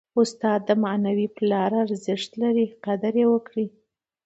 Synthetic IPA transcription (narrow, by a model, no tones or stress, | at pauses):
ʊst̪ɑd̪ːəmanawiplɑɾaːɾzɪʂt̪laɾiqad̪aɾjewəkɽi